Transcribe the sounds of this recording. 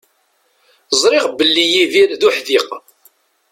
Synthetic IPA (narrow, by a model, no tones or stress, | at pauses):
zˤɾˤɪʁbəlːijiðiɾðuħðiq